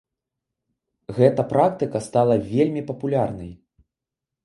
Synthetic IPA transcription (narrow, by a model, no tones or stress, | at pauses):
ɣɛt̪ɐpɾak̚t̪ɨkɐst̪alˠɐvʲelʲmʲipɐpulʲarnɐ̰j